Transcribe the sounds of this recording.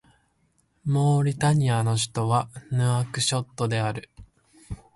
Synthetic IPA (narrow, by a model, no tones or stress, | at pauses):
mo̞ːɾʲit̪aɲ̟iano̞ɕ̬i̥t̪o̞βanɯ̟akɯ̟ɕo̞t̪ːo̞d̪e̞aɾɯ̟